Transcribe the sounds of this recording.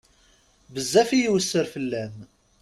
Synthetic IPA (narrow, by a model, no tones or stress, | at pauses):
bəzːæfijiwəsːəɾfəlːæn